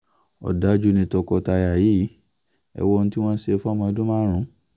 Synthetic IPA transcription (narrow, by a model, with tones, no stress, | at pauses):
ɔ̰˨da˨˦d͡ʒu˦nĩ˧tɔ˧kɔ˧ta˧ja˨ji˨˦ | ɛ̰˧˨wɔ˧n̩ũ˧ti˦w̃ɔ̃˦n̩˦se˧fa˦mã˧˦dõ˦mãː˦ɾ̃ũ˨˦